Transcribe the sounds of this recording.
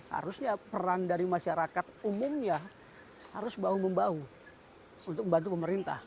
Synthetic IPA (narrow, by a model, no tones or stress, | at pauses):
ha̰ɾʊsɲapərandaɾimaʃaɾakat̪umʊmɲa | ha̰ɾʊsbauməmbau | unt̪ʊk̚əmbant̪upəməɾint̪a̰h